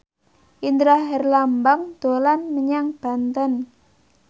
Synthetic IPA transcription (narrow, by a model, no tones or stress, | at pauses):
ʔind̪ɾaɦɛrlambaŋd̪̥o̤lanməɲaŋb̥a̤nt̪ən